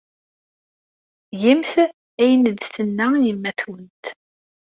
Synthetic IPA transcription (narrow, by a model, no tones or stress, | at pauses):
jimθ | æjənəd̪θənːæjəmːæθwənt̪